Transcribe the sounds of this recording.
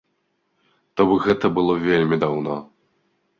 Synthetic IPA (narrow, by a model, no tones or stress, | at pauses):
t̪ɔbɨɣɛt̪ɐbɨlˠɔvʲelʲmʲid̪awnɔ